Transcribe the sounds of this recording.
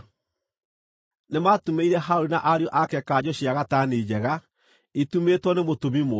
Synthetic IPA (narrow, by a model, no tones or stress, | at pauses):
nemaːtumeiɾɛɦaoɾinaʔaɾeɔʔakɛkad͡ʑɔɕiaɣataneːd͡ʑɛɣa | itumetwɔnemotomimo